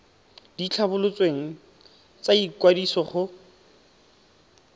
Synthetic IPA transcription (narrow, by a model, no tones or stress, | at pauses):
d̥it͡ɬʰabʊlʊt͡sʼweŋ̩ | t͡sʼaikwadisɔχʊ